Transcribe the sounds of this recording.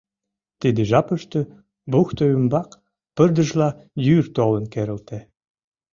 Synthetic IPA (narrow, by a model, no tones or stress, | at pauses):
t̪id̪ə̆ʒɑpə̆ʃt̪ø̆ | buxt̪oymbɑk | pə̆rd̪ə̆ʒlɑjyrt̪olə̆nkeɾə̆lt̪æ